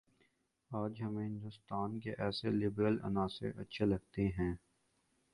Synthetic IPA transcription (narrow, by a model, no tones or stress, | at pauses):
aːd͡ʒɦɐmẽɦɪ̃nd̪ʊst̪aːnkeʔɛːselɪbɾəlɐ̰naːsḛʔɐtːʃʰelɐɡ̚t̪eɦɛ̃ː